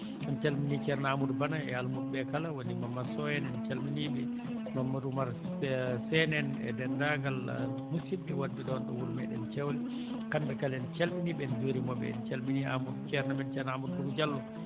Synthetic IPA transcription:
ɔnt͡ʃalminit͡ʃɛɾnaamudbanaɛ̰almud̚ɓɛkalawonimamːasɔjɛnɛnt͡ʃalminibɛ | mamːadumaɾ | sɛnɛnɛ̰dɛndaɡal̰musibdɛwadːɛɗɔnɗɔwulmɛɗɛnt͡ʃɛwlɛ | kanbɛkalɛnt͡ʃalɓinibɛnzoɾimɔbɛ̰nt͡ʃalminia̰mudt͡ʃɛɾnaɓɛnt͡ʃɛɾnaamud̚kumud͡ʒalːɔ

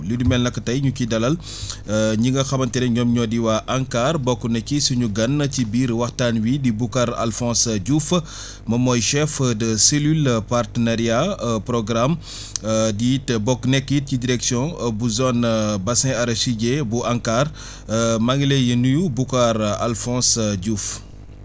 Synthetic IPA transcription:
lidumɛlnɐkːətɐjɲukidɐlɐl | ɲiŋɡɐxɐbɐntɛɾɛɲɔmɲɔdiwaʔaŋkaːrbɔkːunɛkisuɲuɡɐnːcibiːɾwɐxtaːnwidibukaɾa̰lfɔ̃ːsɟufə | mɐmɔjʃɛfdəselylpartənaɾjapɾɔɡɾam | ditbɔkːnɛkːit̚cidiɾɛksjɔ̃buzɔnbɐsɛ̃ɐɾɐʃiɟebuʔaŋkar | maŋɡilɛjənujubukaɾa̰lfɔ̃ːsɟuf

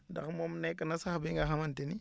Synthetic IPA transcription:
da̰xmomnekənasaxbiŋɡaxamanteni

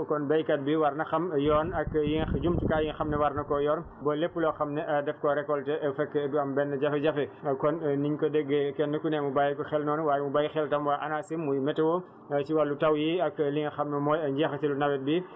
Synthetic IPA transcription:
kɔnbɛjkɐt̚biwɐɾnɐxɐmjɔːnɐkːjiŋd͡ʒumtukaːjiŋxɐmnɛwɐɾnɐkɔjɔːn | bɔlepːulɔxɐmnɛʔɐdɛfkɔɾɛkːɔltɛʔɐfɛkːɐmbɛnːɐɟɐfɛɟɐfɛkɔnniɲkɔdɛɡːekɛnːɐkunɛmubajɐkɔxɛlnɔːnuwaːjɛmubajixɛltɐmwaʔɐnaːsimːujmɛtɛwɔ | t͡ʃiwalːutɐwjiɐkːliŋxɐmnɐmɔːjɐɲɟɛːxɐsilunɐwɛt̚bi

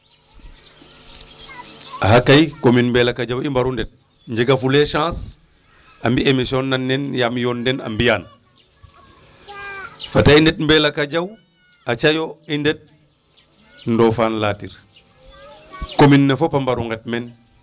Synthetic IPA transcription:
aɦakajkominmbeːlakad͡ʒawimbaɾundet̚ | ɲd͡ʒeɡafuleʃãːs | ambiemisionːanːenjamjondena̰mbijaːn | fataindet̚mbeːlakad͡ʒaw | at͡ʃajoindet̚ | ndofaːnlaːtḭɾ | kominːefopambaɾuŋɡet̚men

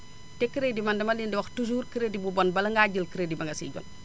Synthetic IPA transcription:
tɛkiɾedimɐndɛmɐlindiwɐxtus̬uːɾkiɾedibubɔnbɐlɐŋɡaɟəlkiɾedimɐŋɡɐsḭɟɔ̰n

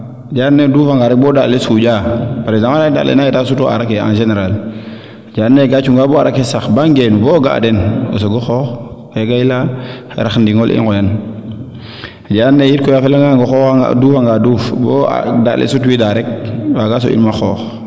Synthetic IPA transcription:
d͡ʒanːeduːfaŋɡaɾɛk̚boːdalesuɟapaɾezamanada̰lʔḛnajetas̬utoa̰ɾakea̰nʒeneɾal | d͡ʒanːeɡat͡ʃuŋɡaboa̰ɾakesaxbaŋɡenuboɡaa̰deno̰s̬oɡoxɔːx | eɡaila | ḛɾaxndiŋolʔḭŋɡojan | ad͡ʒanːejit̚kojafelaŋaɡoxɔxaŋa̰duːfaŋɡadufboa̰da̰lʔḛsutuwidaɾɛk̚baɡaːs̬o̰ʔḭnmaxɔːx

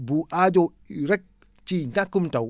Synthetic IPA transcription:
buʔad͡ʒo | ɾɛk̚ | t͡ʃiɲakumta

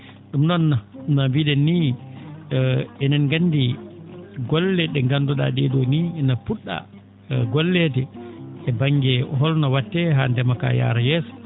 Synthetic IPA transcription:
ɗumnɔnːanabiɗɛni | ɛnɛnɡandi | ɡɔlːɛɗɛŋɡandɔɗa̰ɗɛɗɔniɛnapuɗːa̰ | ɡɔlːɛtɛɛbaŋɡɛɦɔlnɔwatːɛɦandɛmaka̰ja̰ːɾajɛːsɔ̥

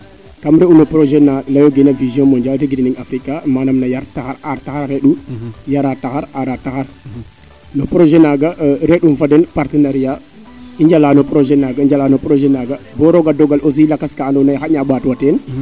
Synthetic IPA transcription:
kamɾɛunɔpɾɔʒɛnalajɔɡɛnavizjɔ̃mɔɲd͡ʒadeɡidiniŋafɾikːamanɐmnɐjaɾtaxaɾaɾtaxaɾːɛɗujaɾataxaɾaɾataxaɾ | nɔpɾoʒɛnaɡaʔɾɛɗumfadɛnpaɾtənaɾija | iɲd͡ʒalaːnɔpɾɔʒɛnaɡaiɲd͡ʒalaːnɔpɾoʒɛnaɡɐbɔɾɔɡadɔɡalos̬iilakaskaːndɔnaxaɲaːɓatwatɛn

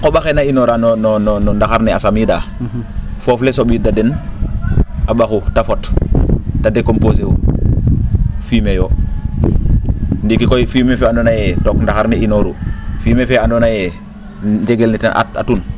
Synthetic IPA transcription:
kobaxenainoɾanonɔnɔnɔndaxaɾniasamida | foflesobidaden | abaxutafot | tadekomposeu | fimejo | ndikikojfimefeandonajetokndaxaɾniinoɾufiːmefeandonaje | d͡ʒeɡelnita̰ʔa̰ta̰tun

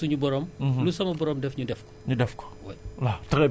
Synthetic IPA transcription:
uɲubɔɾɔːmlusɐmɐbɔɾɔːmdɛfɲudɛfkɔ̥ɲudɛfkɔ̥wɐjlatɾɛ

